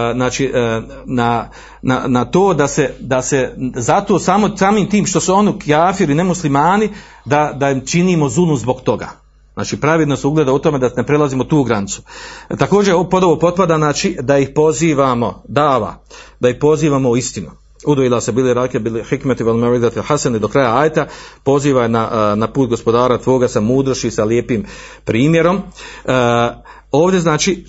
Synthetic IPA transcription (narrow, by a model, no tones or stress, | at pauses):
znaːt͡ʃiː | na | na̰nat̪oːd̪ased̪ase̞zat̪o̞ːsaːmosaːmiːmt̪iːmʃt̪o̞suo̞nikijaːfiɾine̞muslimaːni | d̪ad̪aimt͡ʃiniːmo̞zulˠnuzbo̞ɡt̪o̞ɡa̰ː | zna̰ːt͡ʃiːpɾaʋid̪nosuɡlˠeːd̪aut̪ome̞d̪ane̞pɾe̞laziːmot̪uːɡɾanit̪su̥t̪ako̞ːd͡ʒeɾpo̞d̪oʋopo̞t̪̚pad̪aznaːt͡ʃid̪aihpo̞ziːʋamo̞d̪aːʋa̰d̪aihpo̞ziːʋaːmo̞uist̪inu | ud̪ojilˠasebiliɾaːkebilhikmat̪iʋalmaɾiɡzat̪ilħasanid̪o̞kɾajaaːjet̪apo̞ziːʋaenanapuːt̪̚ɡo̞spo̞d̪aːɾat̪ʋo̞ːɡasamuːd̪ɾoʃisaljeːpiːmpɾiːmje̞ɾo̞m | o̞ːʋd̪jeznaːt͡ʃi